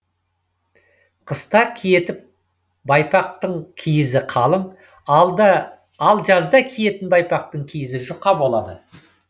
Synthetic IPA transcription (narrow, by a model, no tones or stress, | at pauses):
qʰəst̪ɑkʲʰijet̪ɪp̚ | bɑjpɑq̚t̪əɴkʲʰijɪzɪqʰɑlˠəm | d̪ | ɑlˠʒɑzd̪ɑkʲʰije̞t̪ɪnbɑjpɑq̚t̪əɴkʲʰijɪzɪʒʊqːɑbo̞lˠɑd̪ə